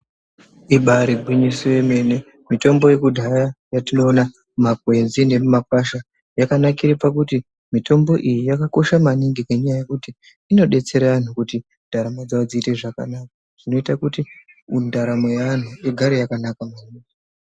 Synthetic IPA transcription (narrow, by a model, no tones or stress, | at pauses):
iɓaɾibʱwiɲisieme̞ne | mito̞mbo̞je̞kudʱajajatino̞ːna | mapwe̞nzine̞mumakaʃa | jakanakiɾipakuti | mito̞mbo̞ʔijijakako̞ʃamaniŋɡekeɲajaje̞kutiː | no̞ɗe̞t͡se̞ɾaʋan̤ukuti | ndʱaɾamad͡zaod͡ziːte̞ʐaka̰naka | ʐ̥ino̞itakutiundaɾamojaan̤ueɡʱaɾejakanakamaniːŋɡi